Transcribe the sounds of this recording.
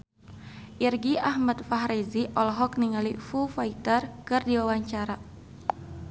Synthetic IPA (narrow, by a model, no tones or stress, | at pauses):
ʔirɡiahmat̪̚faɦɾeziʔɔlɦɔkniŋalifufait̪ərkɨrdiwawaɲt͡ʃaɾa